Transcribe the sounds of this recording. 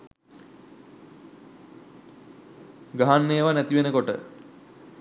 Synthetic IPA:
ɡaɦanːeːʋanæt̪iʋenəkoʈə̰

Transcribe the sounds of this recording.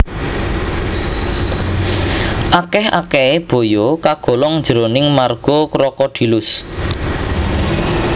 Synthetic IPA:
ʔakɛha̰kɛeb̥o̤jɔkaɡ̥ɔ̤lɔŋnd͡ʒəɾonɪŋmarɡ̥ɔkɾɔkɔd̪̥i̤lʊs

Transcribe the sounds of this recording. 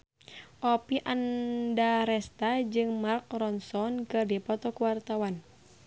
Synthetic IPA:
ʔɔpiʔandaɾɛst̪ad͡ʒɨŋmark̚rɔnsɔnkɨrdipɔt̪ɔkuwart̪awan

